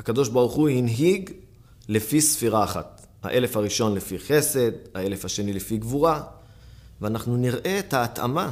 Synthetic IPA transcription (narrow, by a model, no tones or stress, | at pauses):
akad̪o̞ʃbaʁuχuhinɦiɡ | le̞fisfiʁaːχa̰t̪ | ha̰ʔe̞lefaʁiʃo̞nlefiχe̞se̞d̪hae̞le̞faʃe̞nilefiɡvuʁa | veanaχnuniʁʔe̞et̪haːt̪a̰ma